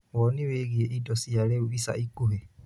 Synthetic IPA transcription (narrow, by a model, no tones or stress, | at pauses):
wɔniweɣieʔidɔsiaɾeuβisa̰ʔikuɦe